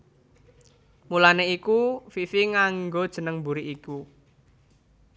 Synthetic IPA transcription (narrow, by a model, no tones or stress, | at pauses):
mulaneikufifiŋaŋɡod̥ʒ̥ə̤nəŋbuɾiʔiku